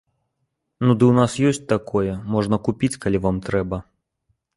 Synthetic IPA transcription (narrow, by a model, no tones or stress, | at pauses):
nud̪ɨwnasjɔsʲt͡sʲt̪akɔjɛmɔʐnɐkupʲit͡sʲkalʲivamt̪ɾɛbɐ